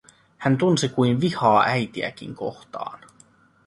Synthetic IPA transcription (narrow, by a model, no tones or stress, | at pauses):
hænt̪unsikujnʋihɑːʔæjt̪iæ̰k̟ḭŋko̞̰xt̪ɑ̰ːn